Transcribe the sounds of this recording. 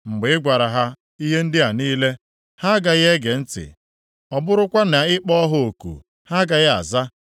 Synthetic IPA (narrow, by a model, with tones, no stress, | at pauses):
ŋ͡m̩˨ɡ͡bɪ˨ɪ˦ɡʷa˨ɾa˨ɦa˦ | i˦ɦe˦n̩˦dɪ˦a˨niː˦le˦ | ha˦ɡa˨ɣe˦ɡe˨n̩˦tɪ̰˨ | ɔ˨bʊ˦ɾʊ˦kʷa˦na˨ɪ˦k͡pɔ˦ɦʊ˨o˨kṵ˨ | ha˦ɡa˨ɣɪ˦a̰˨za˦